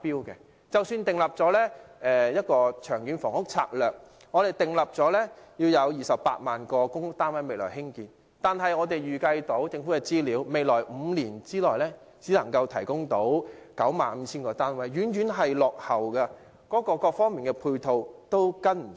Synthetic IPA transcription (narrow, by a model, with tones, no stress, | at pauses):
piː˥wkɛ̰˧ | t͡sɐ˨˩wsyː˧nt̪ɪ˨ŋlɐ˨p̚t͡sɔː˨˥lɛː˥ɛː˧jɐ˥t̚kɔː˧t͡ʃʰœː˨˩ŋjyː˨˥nfɔː˨˩ŋhʊ˥k̚t͡sʰa̰ː˧k̚lœː˨k̚ | ŋɔː˨˧ɾe˨jt̪ɪ˨ŋlɐ˨p̚t͡sɔː˨˥lɛː˥jiː˧wjɐ˨˧wjiː˨˩sɐ˨ppːa̰ː˧t̚maː˨nkɔː˧kʊ˥ŋ˥t̪aː˥nwɐ˥jme˨jlɔː˨˩ɦɪ˥ŋkiː˧n | t̪aː˨nɦɐ˨jŋɔː˨˧t̪e˨jɥyː˨˩kɐ˧jt̪o˨˥wt͡sɪ˧ŋfu˨˥kɛ˧t͡siː˥liː˨˧wme˨jlɔː˨˩jm̩ː˨˧liː˨˩nt͡siː˥lɔː˨jlɛː˥ | t͡siː˨˥lɐ˨˩ŋkɐ˧wt̪ʰɐ˨˩jkʊ˥ŋt̪o˨˥wkɐ˨˥wma̰ː˨nm̩˨˧t͡sʰiː˥nkɔː˧t̪aː˥nwɐ˨˥jɥyː˨˥njyː˨˥nɦɐ˨jlɔː˨k̚hɐ˨wkɐ˧ | kɔː˨˥kɔː˧kɔː˧k̚fɔː˥ŋmi˨˩nkɛː˧pʰuː˧jt̪ʰo˧wt̪o˥wkɐ˥nm̩˨˩